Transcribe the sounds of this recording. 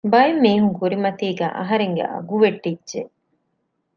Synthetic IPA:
bɐemːiːɦuŋkuɾimɐt̪iːɡæ̰ːʔɐɦɐɾeŋɡḛʔɐ̰ɡuʋeʈːidːʒe

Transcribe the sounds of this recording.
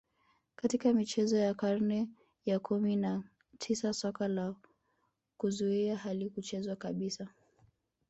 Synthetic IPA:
katikamit͡ʃɛzɔjakaɾnɛ | jakʰumina | tʰisasɔkala | kuzuiaɦalikut͡ʃɛzwakaɓisa

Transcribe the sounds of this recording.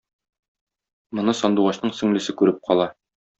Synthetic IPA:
mŏnɤsɒnd̪uʁɑɕnɤɴsɵ̆ŋlɘ̆sɘkʉɾɘp̚qʰɒlˠɑ

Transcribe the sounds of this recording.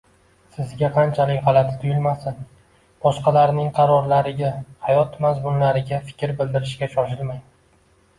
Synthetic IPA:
sɪzɡʲaqʰɑnt͡ʃʰalɪkʲʁɑlˠat̪ʰɪ̥t̪ʰʊjɪlmasɪn | b̥ɒʃqɑlaɾnɪŋqʰɑɾɒɾlaɾɪɡʲahajɒt̪mazmʊnlaɾɪɡʲafɪ̥kʲɾbɪld̪ɪɾɪʃkʲaʃɒʃɪlmaj

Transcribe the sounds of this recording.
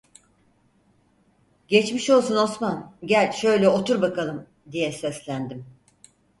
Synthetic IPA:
ɟet͡ʃmiʃo̞lˠsuno̞smanɟælʲʃø̞jlʲɛo̞t̪ʰuɾbakalˠɯm | d̪ijɛsɛslʲænd̪im

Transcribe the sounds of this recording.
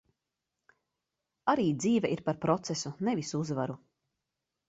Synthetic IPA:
aɾiːd̪ziːvɛʔiɾpaɾpɾɔt̪sesunevisuzvaɾu

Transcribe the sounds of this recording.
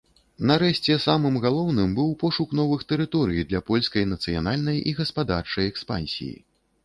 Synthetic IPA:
nɐɾɛʂt͡sʲɛsamɨmɣalˠɔwnɨmbɨwpɔʂuknɔvɨxt̪ɛɾɨt̪ɔɾɨjid̪lʲɐpɔlʲskɐjnɐt̪sɨja̰nalʲnɐjiɣɐspad̪art͡ʂɐjɛkspa̰nʲsʲḭjḭ

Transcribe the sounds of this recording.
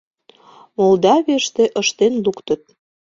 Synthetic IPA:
mold̪ɑβeʃt̪eʔə̆ʃt̪enlukt̪ə̆t̪̚

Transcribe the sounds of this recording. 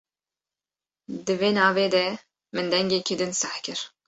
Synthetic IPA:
d̪ɨveːnɑːveːd̪ɛ | mɨnd̪ɛŋɡʲekid̪ɨnsaħkʲɨɾ

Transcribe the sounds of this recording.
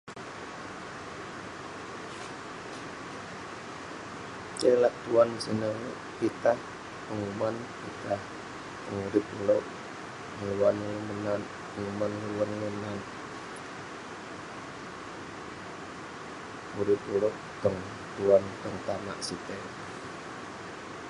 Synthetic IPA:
kelaʔt̪uansinəŋʔpit̪ah | pəŋuman | pit̪ah | pəŋuɾip̪ulɔʔ | ŋəluwanŋəmənan | pəŋumanluwanŋənan | ŋuɾip̪ulɔʔ | t̪ɔŋ | t̪uant̪əŋt̪ama̰ʔsit̪ɛ

